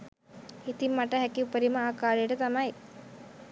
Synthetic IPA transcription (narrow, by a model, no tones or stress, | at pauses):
it̪imːaʈəɦɛkiupəɾiməaːkaːɾejəʈət̪amɐj